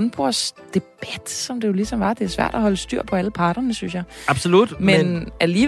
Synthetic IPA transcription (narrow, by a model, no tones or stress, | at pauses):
nb̥ʁoɐ̰sd̥e̝b̥æd̥sɒ̽md̥e̝jo̝lisɒ̽mʋɑ̈d̥e̝æsʋæ̰ɐ̰d̥ɒæhɒ̽ləsd̥y̰ɐ̰pʰɒ̽æləpʰɑ̈ːd̥ɐnəsynsjɑ̈ɪɑ̈b̥solud̥menæliː